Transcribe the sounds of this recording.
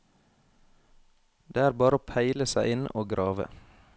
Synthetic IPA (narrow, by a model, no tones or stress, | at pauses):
d̪̥eːæːɾbɑːɾəoːpʰæɪləsæɪɪnoːɡɾʔɑːʋə̰